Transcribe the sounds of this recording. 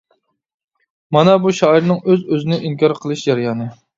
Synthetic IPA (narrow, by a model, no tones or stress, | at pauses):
mɑnɑbuʃɑiɾnɨŋøzøzɪnɪʔiŋkʲʰɑɾqʰəlˠɨʃd͡ʒɑɾjɑːnɨ